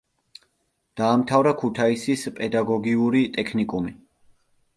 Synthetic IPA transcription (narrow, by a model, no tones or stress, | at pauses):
d̪̥aːmt̪ʰavɾakʰut̪ʰaisispʼɛd̪aɡɔɡiuɾit̪ʼɛkʰnikʼumi